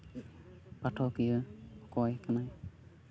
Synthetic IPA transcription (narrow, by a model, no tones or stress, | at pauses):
patʰɔkɯjɯkɔjkanaj